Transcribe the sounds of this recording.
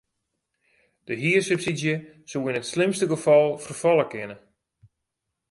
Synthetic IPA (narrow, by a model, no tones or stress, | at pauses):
d̥əɦiəsøpsidjə | suwinətslɪmstəɡəfɔlˠfərfɔlˠəkɪnə